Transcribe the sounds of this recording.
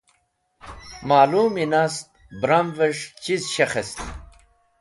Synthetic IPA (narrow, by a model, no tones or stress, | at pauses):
maːluːminast̪̚ | bɾamveʂt͡ɕizɕɐxɐst̪i